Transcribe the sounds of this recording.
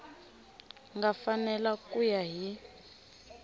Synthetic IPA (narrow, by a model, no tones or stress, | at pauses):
ŋɡafanɛlakʼujaɦi